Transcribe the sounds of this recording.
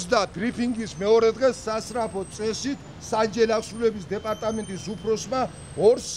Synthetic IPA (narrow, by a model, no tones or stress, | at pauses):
d̪abɾipʰiŋɡismɛɔɾɛd̪ʁɛsasɾapʰɔt̪sʼɛsit̪ʰ | sand͡ʒɛliaχsɾulɛbisd̪ɛpʼaɾt̪ʼamɛnt̪ʼisupʰɾɔsma | ɔɾs